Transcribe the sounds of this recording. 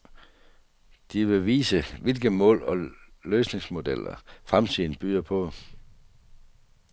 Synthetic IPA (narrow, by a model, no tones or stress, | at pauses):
d̥iʋe̝ʋḭːsəʋe̝lɡ̥əmɔ̰̽ːlɒ̽løːsne̝ŋsmo̝d̥el̰ɐ̰fʁamt͡sʰḭːn̩b̥yːɐpʰɒ̽